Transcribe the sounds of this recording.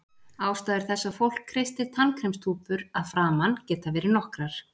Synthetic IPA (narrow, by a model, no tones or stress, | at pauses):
aːwst̪aːðɪɾ̥θɛsːafowl̥kʰːɾejst̪ɪt̪ʰankʰɾɛmst̪ʰuːpʏɾaðfɾaːmancɛːt̪avɛːɾɪnɔhkɾaɾ̥